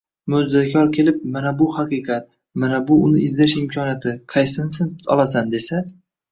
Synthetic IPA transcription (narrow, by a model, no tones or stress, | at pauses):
mʊzzakʲʰɒɾkʲʰe̞lɪp̚manabʊhɑqɨqʰɑt̪̚ | manabʊʊnɪɪzd̪ɪɾɪʃɪmkʲʰɒnijat̪ʰɪqʰɑjsɪnsɪnsɒ̰lˠas̬and̪e̞sa